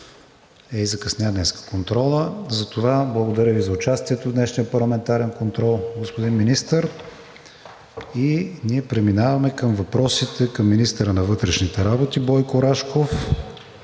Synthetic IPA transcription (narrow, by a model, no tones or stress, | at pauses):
ɛizɐkɐsnʲad̪nɛskə̥kont̪ɾɔlˠəzɐt̪ovablˠəɡod̪ɐɾʲəvizɐʊt͡ʃast̪iɛt̪ovd̪nɛʃniəpɐɾlˠɐmɛnt̪aɾɛnkont̪ɾɔlˠɡospod̪inminist̪əɾ | iniɛpɾɛminavɐmɛkəmvɐpɾɔsit̪ɛkɐmːinist̪əɾənɐvɤt̪ɾɛʃnit̪ɛɾabot̪ibɔjkoɾaʃkof